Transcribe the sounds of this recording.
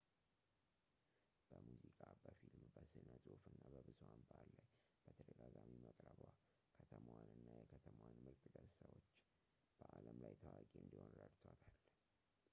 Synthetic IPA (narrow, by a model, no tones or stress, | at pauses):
b̥əmuzikʼabəfilmbəsɨnəzʼofɨnːabəbɨzuwanbalːaj | b̥ət̪ʰəd̪əɡaɡamiməkʼɾəβwa | kʰət̪ʰəməwanɨnːajɛkʰət̪ʰəməwanmɨlt̪ʼɡəzsəwot͡ʃː | b̥əʔaləmlajt̪ʰəwakʼiɨnd̪iho̞nɾədt̪ʰot̪ʰal